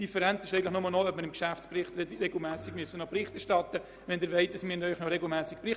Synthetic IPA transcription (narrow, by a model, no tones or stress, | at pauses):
d̥ifɛɾænt͡sɪʃɛɪən̩lɪχnʊməlˠnoœp̚miːɾɪmkʃæft͡spɾɪχtɾɛɡl̩mæːsɪɡ̥myəsənopɾɪχtɛɾʃtɑtə | ʋɛndɪːɾʋeɪt̚d̥ɑsminœʏχnɔɾɛɡl̩mæːsɪk̚pɾɪ